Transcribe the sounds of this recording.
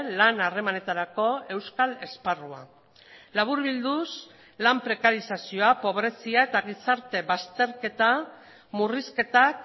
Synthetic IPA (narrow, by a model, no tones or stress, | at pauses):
lanare̞mane̞t̪aɾako̞e̞wskale̞sparua̰ | laβ̞uɾβild̪us | lampɾe̞kaɾisasio̞apo̞βɾe̞siaet̪aɣ̞isaɾt̪e̞βast̪e̞ɾke̞t̪a | muriske̞t̪ak